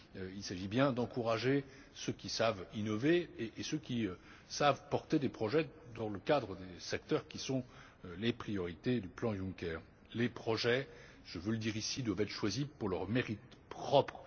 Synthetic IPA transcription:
øilsaʒibjɛ̃d̪ɑ̃kuʁaʒe | søkʲisavinɔveeʔːsøkʲiø | savpɔʁt̪ed̪epχɔʒɛd̪ɑ̃ləkad̪ʁəd̪esɛkt̪œʁkʲisɔ̃ | lepχijɔʁit̪ed̪yplɑ̃jũkʲɛːʁ | lepχɔʒɛ | ʒ̥əvøləd̪iʁisid̪wavɛt̪χə̥ʃwazipuʁlœʁmeʁit̪pχɔpχ

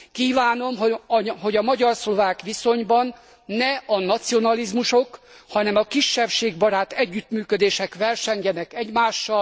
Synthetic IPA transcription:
kiːvaːno̞mɦoɦo̞ɟɒmɒɟɒrslo̞vaːkʋiso̞ɲbɒnː | ɛɒnɒt̪sio̞nɒlizmuʃo̞k | hɒnɛmɒkiʃːɛpʃeːɡbɒɾaːt̪ɛɟːyt̪myːkød̪eːʃɛkʋɛrʃɛɲɡɛnɛkɛɟmaːʃːɒl

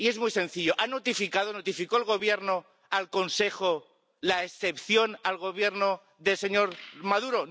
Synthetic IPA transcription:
ie̞zmujsẽ̞nθiʎoʔano̞t̪ifikaðonot̪ifikoelɣ̞o̞βje̞ɾno̞ | alko̞nse̞xo | laesθe̞pθjo̞nalɣ̞o̞βje̞ɾno̞ | ðelse̞ɲo̞ɾmaðuɾo

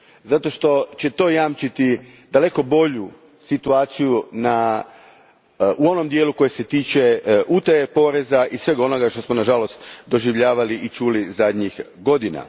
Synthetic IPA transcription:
zat̪o̞ʃt̪o̞t͡ɕe̞t̪o̞ːjaːmt͡ʃit̪id̪ale̞ko̞bo̞ʎu | sit̪uaːt̪sijuna | ʔuo̞nomd̪je̞ːluko̞jese̞t̪iːt͡ʃe̞ʔut̪ajepo̞ɾe̞zaʔisʋe̞ɡo̞no̞ɡaʃt̪o̞smonaʒalo̞st̪d̪o̞ʒiʋʎaːʋaliʔit͡ʃuːlizad̪ɲixɡo̞d̪ina̰

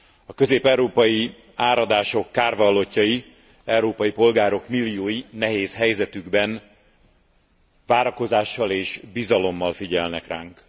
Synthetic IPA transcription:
ɒkø̞zeːpɛwɾoːpɒji | aːɾɒd̪aːʃo̞kːaːrvɒːlːo̞cːɒji | ɛuɾoːpɒjipo̞lɡaːɾo̞kmilːijoːjinɛɦeːshɛjzɛt̪yɡbɛn | vaːɾɒko̞zaːʃːɒleːʃbizɒlo̞mːɒlfiɟɛlnɛkra̰ːŋk

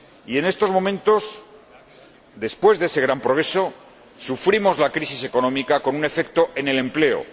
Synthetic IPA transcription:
ie̞ne̞st̪o̞zmo̞mẽnt̪o̞s | d̪e̞spwe̞zðeese̞ɣɾampɾo̞ɣ̞ɾe̞so̞ | sufɾimo̞zlakɾisise̞ko̞nõ̞mikako̞nune̞fe̞k̚t̪o̞ʔe̞ne̞le̞mple̞o̰

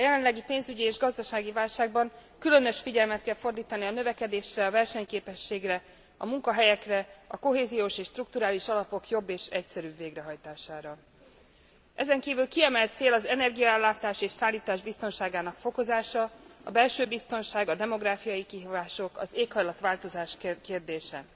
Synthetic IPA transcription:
ɒjɛlɛnlɛɡipeːnzyɟieːʒɡɒzd̪ɒʃaːɡivaːlʃaːɡ̚bɒŋkylø̞nø̞ʃfiɟɛlmɛt̪kɛlfo̞rd̪iːt̪ɒniɒnøvɛkɛd̪eːʃrɛɒvɛrʃɛɲkeːpɛʃːeːɡrɛ | ɒmuŋkɒɦɛjɛkrɛɒko̞ɦeːzijoːʃeːʃt̪rukt̪uɾaːliʃɒlɒpo̞kjo̞bːeːʃɛcsɛɾyːbveːɡrɛɦɒjt̪aːʃaːɾɒ | ʔɛzɛŋkiːvylkiɛmɛlt̪seːlɒzɛnɛrɡijɒɛlːaːt̪aːʃeːʃsaːlːiːt̪aːʒbist̪o̞nʃaːɡaːnɒkfo̞ko̞zaːʃɒɒbɛlʃøːbist̪o̞nʃaːɡɒd̪ɛmo̞ɡraːfijɒjikiɦiːvaːʃo̞kɒ̰zeːkhɒjlɒt̪ʋaːlt̪o̞zaːʃkeːrd̪eːʃɛ

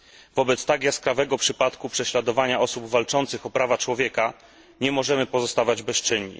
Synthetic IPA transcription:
vɔbɛt̪st̪aɡjaskɾavɛɡɔpʂɘpat̪kupʂɛɕlad̪ɔvaɲaʔɔsubvalt͡ʂɔnt̪sɘxɔpɾavat͡ʂwɔvʲjɛka | ɲɛmɔʐɛmɘpɔzɔst̪avad͡ʑbɛst͡ʂɘɲɲḭ

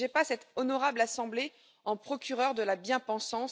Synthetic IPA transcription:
ʒɛpasɛt̪ɔnɔʁablasɑ̃ble | ɑ̃pχɔkʲʰyʁœʁd̪əlabjɛ̃pɑ̃sɑ̃s

